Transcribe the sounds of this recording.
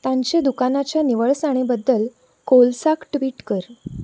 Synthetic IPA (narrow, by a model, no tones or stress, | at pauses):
t̪ãɲt͡ɕed̪ukanat͡ɕjaniʋəɭsaɽ̃ebəd̪ːəl | kolsakʈʋiːʈkəɾ